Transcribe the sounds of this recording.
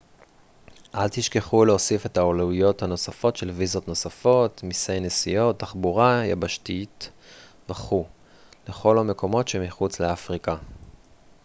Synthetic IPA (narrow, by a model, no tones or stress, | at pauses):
ʔalt̪iʃke̞χuleosife̞taolaujo̞thano̞safo̞tʃe̞lvizo̞tno̞safo̞tmisejnesijo̞tːaχbuʁaja̰baʃtit | baχu | le̞χo̞lame̞ko̞mo̞tʃemiχut͡sleafʁika